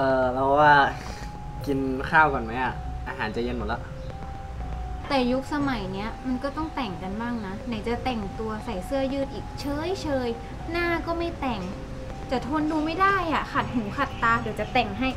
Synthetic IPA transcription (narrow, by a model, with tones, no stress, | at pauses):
ʔɤː˨˧lɛ˦˥˧waː˧˥˩ | ki˧nkʰaː˥˩wkɔ˨˩nma˦˥jʔa˨˩ʔaː˧ɦaː˩˦nt͡ɕa˨˩je˧nmo˨˦t̪̚la˧˩ʔ | t̪ɛː˨˩ju˦˥k̚sa˧ma˨˩˦jni˦˥ɐma˧nkɔː˥˩t̪ɔ˥˩ŋt̪ɛ˨˩ŋka˧nbaː˥˩ŋna˧˦˥na˨˩˦jt͡ɕa˨˩t̪ɛ˨˩ŋt̪u˧ɐsa˨˩jsɯ˥˩ɐjɯː˥˩t̪ʔiː˨˩k̚t͡ɕʰɤː˧˥˨jt͡ɕʰɤː˧j | naː˥˩˨kɔː˥˩ma˥˩jt̪ɛ˨˩ŋ | t͡ɕa˨˩t̪ʰo˧nduː˧ma˥˩jda˥˩jʔa˨˩xʰa˨˩t̪̚ɦuː˨˩˦kʰa˨˩t̪ːaː˧˥doː˨˩˦jt͡ɕa˨˩t̪ɛ˨˩ŋɦa˥˩j